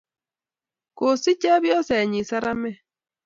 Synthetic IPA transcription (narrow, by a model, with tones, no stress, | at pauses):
ko˨si˦t͡ʃa˦βjɔ˦sɛ˨ɲi˨sa˦ɾa˦mɛ˦˨